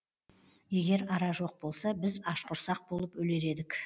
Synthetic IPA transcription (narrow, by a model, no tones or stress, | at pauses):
je̞ɡʲe̞ɾɑɾɑʒo̞q̚bo̞lˠsɑbɪzɑʃqʰʊɾsɑq̚b̥o̞lˠəpwɵle̞ɾe̞d̪ɪk